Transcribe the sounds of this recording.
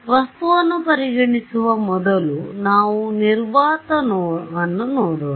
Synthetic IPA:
ʋɐst̪uʋɐnːupɐɾiɡɐɳit͡ʃuʋɐmɔd̪ɐlunaːʋuniɾʋaːt̪ɐnoːɐnːunoːɽo

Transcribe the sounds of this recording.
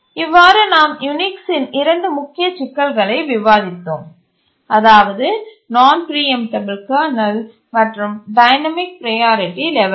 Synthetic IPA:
ɪʋːaːɾɯnaːmjʊnɪksɪnɪɾɐɳɖɯmʊkːɪjɐt͡ʃɪkːɐlɣɐɭɐɪʋɪʋaːðɪt̪ːoːm | ɐðaːʋɐðɯ | naːnpɾiːɛmʈɐbɪlkaːnɐl | mɐʈrɯmɖɐɪnɐmɪk̚pɾɐjaːɾɪʈːilɛʋɐl

